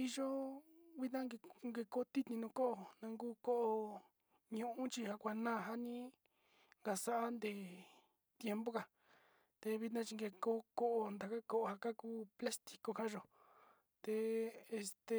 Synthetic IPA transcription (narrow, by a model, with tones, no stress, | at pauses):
i˧ʒo˦βi˦t̪̬nã˦ŋɡe˧ŋɡe˧ko˧t̪i˦t̪nĩ˧nũ˧ko˦ʔo˧˨nã˧ŋɡuː˦ko˦ʔo˧ | ɲũ˧ʔũ˦t͡ʃi˧ha˧kʷa˧nãː˦˨ɦa˦nĩ˦ | ŋɡa˧sa˦ʔa˦nd̪e˨ | t̪je˧mbo˦ka˨ | t̪e˧βi˧t̪nã˦t͡ʃi˧ŋɡe˧ko˦ko˦ʔo˧nd̪a˨ka˦ko˧ʔo˧ha˧ka˦kuː˦pla˦st̪i̥˧ko˧ka˦ʒo˨ | t̪e˧e˧st̪e˨